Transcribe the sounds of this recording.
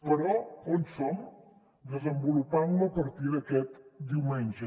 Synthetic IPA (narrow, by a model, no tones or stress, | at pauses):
pəɾɔonsom | d̪əzəmbulupanləpəɾt̪iðəkɛt̪d̪iwmɛnʲʒə